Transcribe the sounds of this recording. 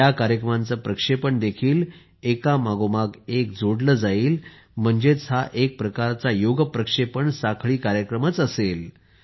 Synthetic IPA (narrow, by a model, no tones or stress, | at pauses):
jakaɾjəkɾəmãnt͡səpɾəkʂepəɳd̪ekʰiːl | ekamaɡomaɡek̚d͡zʱoɽləd͡zaiːl | m̤əɳd͡zet͡sɦaʔek̚pɾəkaɾt͡sajoɡpɾəkʂepəɳsakʰɭiːkaɾjəkɾəmət͡səsel